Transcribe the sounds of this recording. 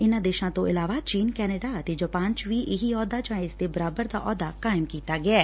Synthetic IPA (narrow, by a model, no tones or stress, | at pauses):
ɪnad̪eːʃãt̪oɪlaːʋat͡ʃiːnkɛːnəɖat̪ed͡ʒɐpãːɲt͡ʃʋiːʔɪɦiɔːd̪at͡ʃãːɪ̃zt̪ebɐɾaːbəɾd̪aʔɔːd̪akaːɪmkiːt̪aɡɐaː